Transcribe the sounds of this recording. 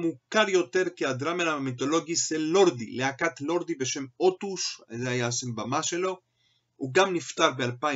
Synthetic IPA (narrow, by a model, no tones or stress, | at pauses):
mukaʁjo̞t̪e̞ʁkiad̪ʁamenamit̪o̞lo̞ɡiselo̞ʁd̪ileakat̪lo̞ʁd̪ibe̞ʃe̞mo̞t̪uʃazeajaʃembamaʃe̞lo̞ | uɡamnift̪aʁbealpa